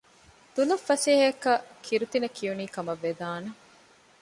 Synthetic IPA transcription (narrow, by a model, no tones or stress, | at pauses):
d̪̥ulɐfːɐseːɦɐɐkɐkʰiɾut̪inɐkʰijuniːkɐmɐʋːed̪aːnɐ